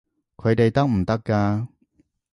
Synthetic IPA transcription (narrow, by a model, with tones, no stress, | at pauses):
kʰɵ˨˧ɥt̪e˨jt̪ɐ˥k̚m̩˨˩t̪ɐ˥kːaː˧